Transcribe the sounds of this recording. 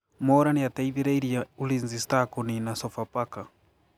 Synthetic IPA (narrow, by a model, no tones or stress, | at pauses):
mɔɾanijataiðiɾaiɾijaulinzistakuninasɔfapaka